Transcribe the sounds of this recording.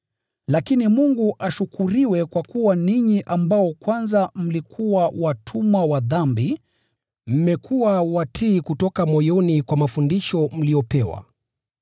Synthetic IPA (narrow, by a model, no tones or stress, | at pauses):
lakinimuŋɡuʔaʃukʰuɾiwɛkwakuwaniɲiʔambaɔkwanzam̩likʰuwawatʰumwawaðambi | m̩mɛkʰuwawatʰiːkutɔkamɔjɔnikwamafundiʃɔm̩liɔpɛwa̰